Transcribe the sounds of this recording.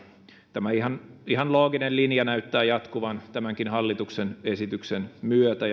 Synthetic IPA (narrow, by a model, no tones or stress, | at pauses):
t̪æmæihɑniɦɑnlo̞ːɡinellinjɑnæyt̪ːæːjɑt̪kuʋɑnt̪æmæŋkinɦɑlːit̪uksenesit̪yksenmyøt̪æ